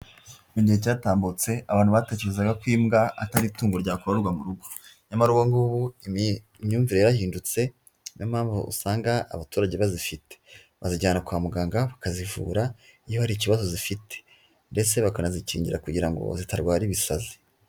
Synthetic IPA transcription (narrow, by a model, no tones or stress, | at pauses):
muɟihecaːtaːmbut͡se̞aβaːn̥uβate̞ːceɾezaɡakwiːmɡaa̰taɾituːŋɡoɾɟaːkoɾoɾɡwamuɾuɡoɲamaɾuɡoŋɡuːβui | mɲuːɱviɾe̞jaβahiːndut͡se̞ | nʔomhaːɱvṵṵsaːŋɡa̰ːβatuːɾaɟeβazifite | βaziɟaːnakwaːmuɡaːŋɡaβakazivṵːɾaijohaɾiciβazo̞zifitʰe̥ | nde̞t͡se̞βakanazicḭːɲɟiɾakuɟiɾaŋɡo̞̰zitaɾɡwaːɾiβisa̰zi̥